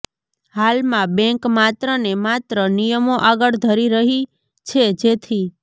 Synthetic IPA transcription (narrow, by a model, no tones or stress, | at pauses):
halmãbɛ̃ŋkmat̪ɾənemat̪ɾənijəmoʔaɡəɭd̪ʱəɾiɾəɦi | t͡ʃʰed͡ʒet̪ʰi